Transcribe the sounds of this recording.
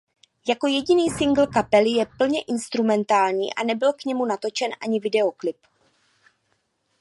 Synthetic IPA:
jako̞jɛɟɪniːsɪŋɡl̩kapɛlɪjɛpl̩ɲɛʔɪnst̪ɾumɛnt̪aːlɲḭːʔa̰nɛbɪlkɲɛmunat̪o̞t͡ʃɛnʔaɲɪvɪdɛo̞klɪp

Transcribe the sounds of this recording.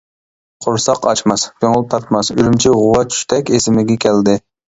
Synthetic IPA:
qʰoɾsɑqɑt͡ʃmɑskʰʲøŋʊl̚ˠt̪ʰɑɾt̪mɑsyɾymt͡ʃʰiʁʊwɑt͡ʃʰy̥ʃt̪ʰɛkʲesɪmɪɡʲɛkʲʰɛld̪ɪ

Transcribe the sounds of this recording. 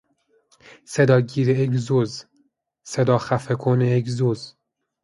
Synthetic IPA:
sed̪ɒːɟiːɾejec̬zoz | sed̪ɒːxæfekʰonejeczoz

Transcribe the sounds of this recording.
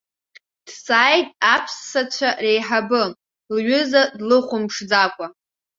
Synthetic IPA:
d̥sʼaːjtʼapʰsːat͡ɕʷʰarejħabɨ | lɥʏzadlɨχʷʊmʂd͡zakʷʼa

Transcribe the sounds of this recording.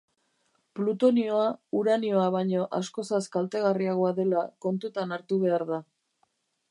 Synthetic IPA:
plut̪o̞nio̞auɾanio̞aβajɲo̞ʔasko̞saskalt̪e̞ɣ̞ariaɣ̞o̞aðe̞lako̞nt̪ut̪anaɾt̪uβe̞aɾða

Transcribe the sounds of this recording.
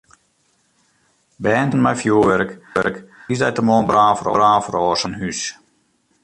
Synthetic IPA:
bɛːntənmɛjfjuːʋɛɾkɛ̰ɾkisdɛjtəmoːnbraːfərɔ̰raːfərɔːsənhys

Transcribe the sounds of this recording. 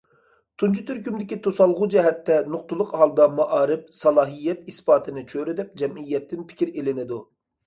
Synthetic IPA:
t̪ʰunt͡ʃʰut̪ʰyɾkʲymd̪ɪkʲit̪ʰosɑlˠʁʊd͡ʒɛɦɛt̪ːɛnoq̚t̪ʊlˠʊqhɑlˠd̪ɑmɑʔɑːɾɨp̚sɑlˠɑːɦijːɛt̪ispɑːt̪ʰɨnɨt͡ʃʰøɾɪd̪ɛp̚d͡ʒɛmijːɛt̪ːɪnpʰɪ̥kʲiɾelɪnɪd̪u

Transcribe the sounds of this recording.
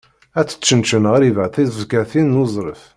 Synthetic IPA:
æt͡sːə̥t͡ʃːənt͡ʃənʁəɾivəʕθivɡæθinːuzˤɾˤəf

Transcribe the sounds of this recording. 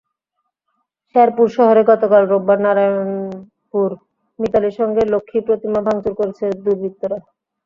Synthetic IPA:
ʃɛɾpuɾʃɔɦoɾeɡɔt̪okalɾobːaɾnaɾan | puɾ | mit̪aleʃɔŋɡelokʰːipɾot̪imabʱaŋt͡ɕuɾkoɾet͡ɕʰed̪uɾbʱit̪ːoɾa

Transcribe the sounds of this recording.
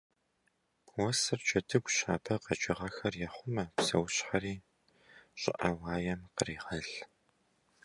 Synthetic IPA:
wɔsɨrt͡ʃʰʼɐdʰɨɡʷɕaːbʰɐqɐt͡ʃʼɪʁɐxɐrjɛχʷʊmɐpsɐ̰wɕħɐɾiː | ɕʼɪ̰ʔɐwɑːjɛmqəriːʁɐɬ

